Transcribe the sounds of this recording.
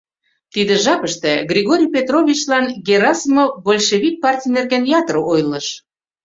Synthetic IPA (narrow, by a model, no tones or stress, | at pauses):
t̪id̪ə̆ʒɑpə̆ʃt̪ĕɡrʲiɣoɾʲijpʲet̪rovʲit͡ɕlɑnɡʲeɾɑsmobolʲʃeβʲik̚pɑrtʲijnerɣænjɑt̪rojlˠɤ̆ʃ